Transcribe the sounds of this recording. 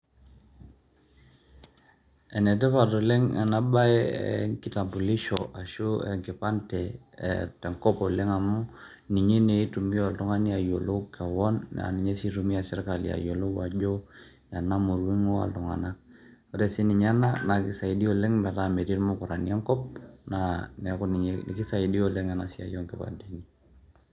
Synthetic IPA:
ɛ˨nɛ˨tɛ˦pa˨tɔ˨lɛ˦ŋa̰˨na˦ba˦ɛ̰˦˨ŋkɪ˦ta˨mpu˨li˦ʃɔ˨ʔa˨ʃu˦ɛ̰˨ŋkɪ˨pa˦ntɛ̰˨ | tɛ˨ŋkɔ˦pɔ˨lɛ˦ŋa˨mu˦ | ni˨ɲe˦ne˨˦tu˨mi˦a˨ltɔ˦ŋa˦ni˦a˨jo˨lo˦kɛ˨wɔ˦nːa̰˨ni˨ɲɛ˦si˦tu˨mi˦a˨sɛ˦rka˨lḭa̰˨jo˨lo˦a˨d͡ʒo˦ | ja˨na˦mu˨ɾwi˦ŋo˦a̰˨ltɔ˨ŋa̰˨na˦k̚ | ɔ˦ɾɛ˨si˦ni˨ɲa˦na˦na˨ki˦sa˨i˨di˦o˨lɛ˦ŋmɛ˨ta˦mɛ˨ti˦ɾmo˦ku˨ɾa˨ni˦ɛ˦ŋkɔ˦p̚nanɛ˨kɔ˦ni˨ɲenḭ˨ki˦sa˨i˨di˦o˨lɛ˦ŋa˨na˨si˦a̰˨jɔ˦ŋkɛ˨pa̰˨ntɛ˨ni˦

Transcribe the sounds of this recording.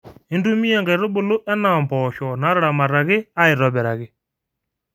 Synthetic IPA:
e˦ndu˦mi˦a˦ŋɡa˨i˨ɾo˦bʊ˦˨lo˦ʔɛ˦na˨mbɔʃɔ˨na˨˦ɾɛ˦ɾa˨ma˨ɾa˨ɣɪ˦a˦i˨ɾɔ˨βɛ˨ɾa˨ɣɪ˨

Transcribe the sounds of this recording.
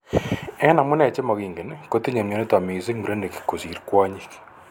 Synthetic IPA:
ɛ˦na˨mu˦nɛ˨t͡ʃe˦mo˨ɣi˨ŋɡe˨ne˨ko˦te˦ɲo˨mjo˨ne˦twa˨mi˨ze˦ŋu˨ɾe˦ne˨ki̥˨ko˨zi˨ɾkwa˦ɲi˦k

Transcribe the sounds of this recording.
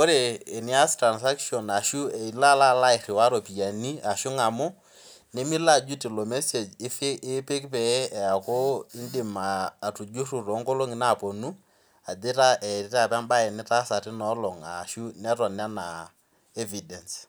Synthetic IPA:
ko˦ɾeː˨nɪ˦a˦stɾa˨nsa˦kʃɔ˨na˨ʃu˦ɛ˨i˨la˦la˦˨la˦ɪ˨rɪ˨wa˦ɾo˨pi˨ja˨ni˦a˨ʃu˦ŋa˨mʊ˦ | ne˦mi˦la˦˨d͡ʒu˦ti˨lo˨mɛ˦se˨d͡ʒfɪ˦pɪ˦kpɛ˨˦ɛ˨ja˨ko˦ɪ˦ndɪ˨maː˨tu˨d͡ʒu˦ru˨ro˨˦ŋko˦lo˦ŋɪ˨na˦˨po˨nu˦ | a˨dɪ˦ta˦ʔɛ˨˦ta˨pɛ˦mba˦e˨nɪ˦ta˦sa˨tɪ˦nɔ˦lɔ˨ŋa̰˨ʃu˦nɛ˦tɔ˨na˦na˨ | e˦vi˨dɛ˨ns

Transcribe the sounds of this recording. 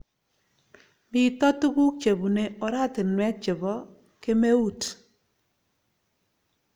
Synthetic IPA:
mɪ˨tɔ˦tu˦ku˦k̚t͡ʃe˨bu˨ne˨o˨ɾa˦tɪ˨nwɛ˦t̚t͡ʃe˨bɔ˦ | ke˦me˦u˦˨t

